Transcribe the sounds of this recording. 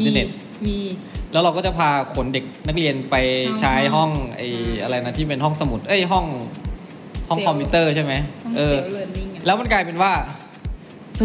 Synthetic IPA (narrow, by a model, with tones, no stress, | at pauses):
ə˧ne˨˩t̪̚ː | lɛː˦˥wɾa˧wkɔː˥˩t͡ɕa˨˩pʰaː˧kʰo˩˦nde˨˩k̚na˦˥k̚li˧ənpa˧jt͡ɕʰaː˦˥jɦɔ˥˩ŋʔa̰˨˩jʔa˧ɾa˧jna˦˥t̪ʰiː˥˩p̬e˧nɦɔ˥˩ŋsa˧mu˨˩t̪̚ʔɤ˧˥˩jɦɔ˥˩ŋ | hɔ˥˩ŋkʰɔ˧mpʰiː˧˥t̪ɤː˥˩t͡ɕʰa˥˩jma˦˥jʔɤː˧lɛː˦˥wma˧˥nkaː˧jpe˧nwaː˥˩